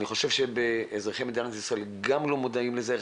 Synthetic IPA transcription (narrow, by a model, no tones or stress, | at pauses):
niχo̞ʃe̞vʃebeezʁeχemid̪iant̪isʁaelɡamlomod̪aimleze